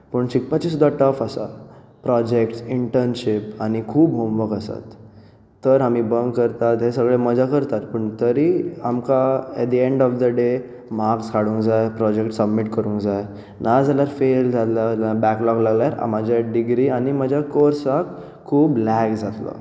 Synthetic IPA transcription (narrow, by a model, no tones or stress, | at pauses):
pəɳɕikpat͡ɕis̬ud̪ʱːaʈəfasa̰ | pɾɔd͡ʑekʈsiɳʈəɾnɕipanikʰuːbɦomʋəkəsa̰t̪ː | əɾɦamibəŋɡkəɾt̪at̪ɦesəɡɭeməd͡zʱakəɾt̪at̪̚pəɳt̪əɾiamkaɛt̪̚d̪iẽɳɖɔfd̪əɖe | m̤akskaɽũŋkd͡zajpɾɔd͡ʑekʈsəbmiʈkəɾũŋkd͡zaj | nʔad͡zaljaɾfeld͡zat̪laabɛklɔklaɡljaɾa̰mad͡ʑʱjaɖiɡɾiañiməd͡ʑʱakoɾsak | kʰːuːblɛkd͡zat̪lɔ̰